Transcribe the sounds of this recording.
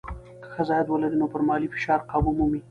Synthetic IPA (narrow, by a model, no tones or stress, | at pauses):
kə̥xəzɑjad̪wəlad̪inopəɾmɑlifɪ̥ʃɑɾqɑbumumi